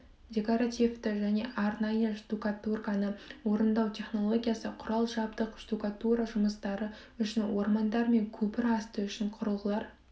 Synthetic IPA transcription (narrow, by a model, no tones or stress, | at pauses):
dʲe̞koɾat̪ʲift̪ɪʒæne̞ʔɑɾnɑjəʃd̪ukat̪urkanəwo̞ɾənd̪ɑwt̪ʲʰe̞χno̞lˠo̞ɡʲijasəqʰʊɾɑlˠʒɑbt̪əqʒd̪ukat̪uɾaʒʊməst̪ɑɾə | ʏʃɪnwo̞ɾmɑnd̪ɑɾme̞ŋkʲʰɵpɪɾɑst̪əʏʃɪɴqʰʊɾəlˠʁəlˠɑɾ